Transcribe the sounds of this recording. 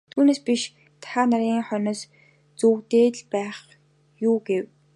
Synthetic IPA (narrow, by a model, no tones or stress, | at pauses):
t̪ʰuːneːspiʃ | t̪ʰaaːnaɾʲiːŋχœnɔːs | t͡suːwt̪eːɮpæːχ | juːɡew